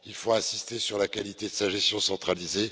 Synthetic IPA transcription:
ilfoɛ̃sist̪esyʁlakalit̪ed̪əsaʒɛst̪jɔ̃sɑ̃t̪χalize

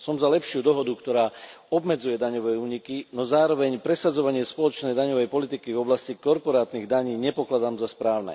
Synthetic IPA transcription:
sɔmzalɛpʃɪud̪ɔɦɔd̪ukt̪ɔɾaːɔbmɛd͡zujɛd̪aɲɔʋɛːuːɲikinɔzaːɾɔʋɛɲpɾɛsad͡zɔʋaɲɪɛspɔlɔt͡ʃnɛjd̪aɲɔʋɛjpɔlit̪ikivɔblascikɔɾpɔɾaːt̪niɣd̪aɲiːɲɛpɔklad̪aːmzaspɾaːʊnɛ̰

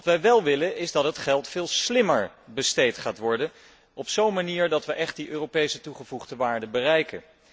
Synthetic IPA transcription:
ʋɑtʋɛjʋɛlˠʋɪlənɪzdɑtɦətχɛlˠtfɪːlˠslɪməɹbəstejtχaːtʋɔɹdən | ɔpsownmaniːɹdɑtʋəʔɛχt̚diʔøːropejsətuχəvuχdəʋaːɹdəbərɛjkə̰n

